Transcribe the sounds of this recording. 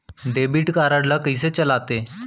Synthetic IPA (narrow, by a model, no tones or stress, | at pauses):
ɖebiːʈkaɾaɽlakəjs̬et͡ɕəlat̪e